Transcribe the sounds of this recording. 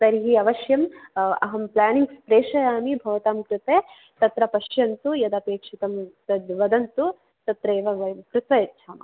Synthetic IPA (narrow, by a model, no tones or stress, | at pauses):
sɐɾɦiɐʋɐʃjɐmɐɦɐmplaːniŋɡspɾeːʂɐjaːmibʱɐʋɐt̪aːmkɾɪt̪eː | t̪ɐt̪ɾɐpɐʃjɐnt̪ujɐd̪ɐpeːkʂit̪ɐmsɐd̪ʋɐd̪ɐnt̪u | t̪ɐt̪ɾeːʋɐʋɐkɾɪt̪ʋɐjɐtːʃʰaːmɐ̰